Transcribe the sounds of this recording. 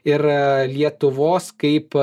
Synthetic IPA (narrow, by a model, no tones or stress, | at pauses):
ɪɾlʲiɛt̪ʊʋoːskɐɪp